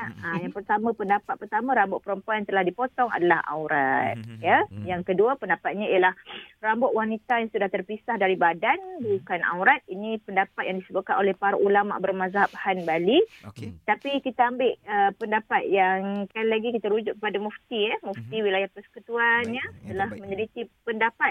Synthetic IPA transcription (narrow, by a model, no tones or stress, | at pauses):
ajaŋpərt̪amãpəndapat̪̚pərt̪amãɾambʊʔ̪̚pəɾəmpuaɲnt̪əlahdipot̪ɔŋa̰dalaha̰wɾa̰t̪̚jəjaŋkəduapəndapat̪̚ɲaijalahrambʊʔ̪wanit̪ajaŋsudaht̪ərpisahdaɾibadanbukanʔa̰wɾat̪̚inipəndapat̪̚jaŋdisəbuʔ̚kanolɛhpaɾa̰ʔulama̰ʔbərmazaɦbahanbalit̪apikit̪aambɪʔəpəndapat̪̚jaŋkailaɡikit̪alud͡ʒʊʔkəpadamuft̪ijəmuft̪iwilajatpəsə̥kut̪uanɲat̪əlahmə̃nəɾit̪ipəndapat̪̚